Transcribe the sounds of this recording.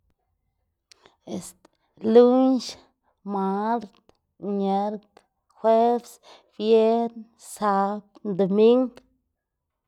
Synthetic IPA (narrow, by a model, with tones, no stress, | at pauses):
e˧st̪ | lu˦nʃ | ma˧˦ɾt̪ | ɲe˧ɾt̪ | xwe˦bs | b̥je˦ɾn | sa˧˦pd̪o˨mi˦ŋɡ